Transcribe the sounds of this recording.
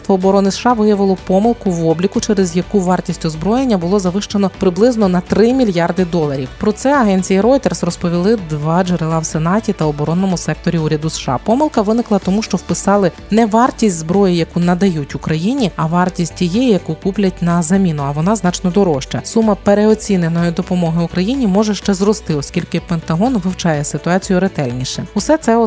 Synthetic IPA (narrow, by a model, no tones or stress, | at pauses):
t̪ʋɔɔbɔɾɔnɪsʃɑʋɪjɐʋɪlˠɔpɔmɪlˠkʊʋɔblʲikʊt͡ʃɛɾezjɐkuʋɑrtʲisʲtʲʊzbɾɔjenʲːɐbʊlˠɔzɐʋɪʃt͡ʃenɔpɾɪblˠɪznɔnɐt̪ɾɪmʲilʲjɑrd̪ɪd̪ɔlˠɐɾʲiwpɾɔt̪sɛɐɦɛnʲt͡sʲijiɾɔjt̪ersrɔspɔʋʲilˠɪd̪ʋɑd͡ʒeɾelˠɑwsenɑtʲit̪ɐɔbɔɾɔnːɔmʊsɛk̚t̪ɔɾʲiuɾʲɐd̪ʊsʃɑ̰pɔmɪlˠkɐʋɪnɪklˠɐt̪ɔmuʃt͡ʃɔwpɪsɑlˠɪ | nɛʋɑrtʲisʲtʲzbɾɔjɪjɐkunɐd̪ɐjutʲʊkɾɐjinʲiɐʋɑrtʲisʲtʲtʲijɛjɐkukuplʲɐtʲnɐzɐmʲinʊɐʋɔnɑznɑt͡ʃnɔd̪ɔɾɔʃt͡ʃɐsumɐpeɾeɔt͡sʲinenɔjɪd̪ɔpɔmɔɦɪʊkɾɐjinʲimɔʒɛʃt͡ʃɛzrɔst̪ɪɔsʲkʲilʲkɪpent̪ɐɦɔnʋɪwt͡ʃɑjɛsɪt̪ʊɑt͡sʲijʊɾet̪ɛlʲnʲiʃɛʊsɛt̪sɛɔ